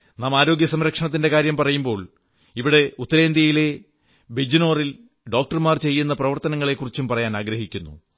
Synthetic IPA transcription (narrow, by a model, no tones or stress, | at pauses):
naːmaːɾo̞ːɡjɐsɐmɾɐkʂɐɳɐt̪̬ːinde̞kaːɾjɐmpɐrɐjumbo̞ːɭ | iʋiɽe̞ut̪ːɐɾe̞ːnd̪jɐjile̞ | bed͡ʑino̞ːril | ɖo̞ːk̚ʈɐrmaːrt͡ɕe̞jːunːɐprɐʋɐrt̪ɐnɐŋːɐɭe̞kːurit͡ɕːumpɐrɐjaːnaːɡɾɐɦikʲːunːṵ